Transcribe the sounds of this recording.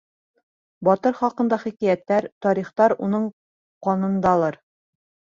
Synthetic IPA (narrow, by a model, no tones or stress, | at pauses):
bɒt̪ɤɾχɒqɤ̆nd̪ɑχikæjæt̪ːæɾt̪ɒɾiχt̪ɑɾunɤɴ | qɒnɤ̆nd̪ɑlˠɤɾ